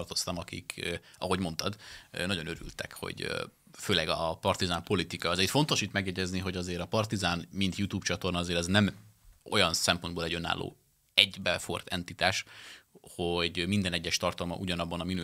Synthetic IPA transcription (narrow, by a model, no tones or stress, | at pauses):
rt̪o̞st̪ɒmɒkḭkɒɦo̞ɟmo̞nt̪ɒd̪nɒɟo̞nøɾy̰lt̪ɛ̰kho̰ɟ | føːlɛɡɒpɒrt̪izaːmpo̞lit̪ikɒɛzɛcfo̞nt̪o̞ʃit̪mɛɡjɛɟɛzniɦo̞ɟɒzeːɾɒpɒrt̪izaːnmint̪jut̪uːpt͡ʃɒt̪o̞rnɒːzeːɾɛznɛm | o̞̰jɒnsɛmpo̞nboːlɛɟø̞na̰ːlːʔo̰ː | ɛɟbɛfo̞̰rt̪ɛnt̪it̪aːʃ | hoɟmind̪ɛnɛɟːɛʃt̪ɒrt̪ɒlmɒ̰ʔuɟɒnɒbːɒnɒminy